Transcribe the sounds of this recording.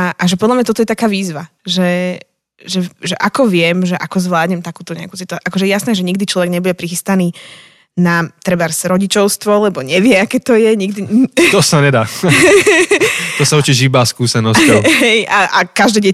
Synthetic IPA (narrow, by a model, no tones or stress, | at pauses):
ʔaʒɛpɔd̪lamɲat̪ɔt̪ɔjɛt̪akaːʋiːzʋaʒɛ | ʒɛʒɛʔakɔʋɪɛmʒɛʔakɔzʋlaːd̪ɲɛmt̪akuːt̪ɔɲɛ̰aku̥sit̪uaʔakɔʒɛjɛjasnɛːʒɛɲiɡd̪it͡ʃlɔʋɛɡɲɛbuɟɛpɾixist̪aniː | nat̪ɾɛbaɾsɾɔɟit͡ʃɔʊst̪ʋɔlɛbɔɲɛʋɪɛakɛːt̪ɔjɛɲiɡd̪it̪ɔsaɲɛd̪aː | t̪ɔsaut͡ʃiʒibaːskuːsɛnɔsɔɦɛjaʔakaʒd̪ɛːɟɛ